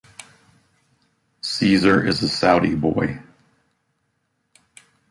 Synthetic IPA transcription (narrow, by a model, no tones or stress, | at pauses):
sizə˞ʔɪzəsaʊɾibɔɪ